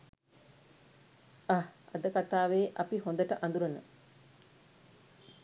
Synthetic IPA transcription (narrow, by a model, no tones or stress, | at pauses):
aɐ̰d̪əkat̪aːʋeːʔɐpiɦond̪əʈəʔand̪uɾənə̰